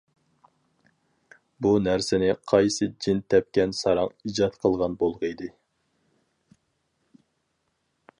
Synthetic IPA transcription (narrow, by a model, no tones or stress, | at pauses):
bunæɾsɪnɪqʰɑjsɨd͡ʒɪnt̪ʰɛp̚kʲɛnsɑɾɑŋid͡ʒɑt̪qʰəlˠʁɑnbolˠʁəid̪ɨ